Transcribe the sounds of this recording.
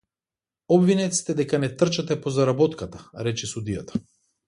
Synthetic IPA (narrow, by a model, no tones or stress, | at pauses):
ɔbvinɛt̪si̥t̪ɛd̪ɛkanɛt̪r̩t͡ʃat̪ɛpɔzaɾabɔt̪kat̪ḁɾɛt͡ʃɛsud̪ijat̪ḁ